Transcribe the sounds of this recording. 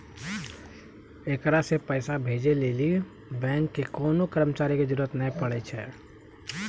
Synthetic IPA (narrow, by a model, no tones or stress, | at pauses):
ekɾasepəɪsabʱeːd͡ʒeleːli | bɛ̃ːŋkːekoːnokəɾəmət͡ʃaːɾiked͡ʒəɾuɾət̪naĩpəɽɛt͡ʃʰɛ̰ː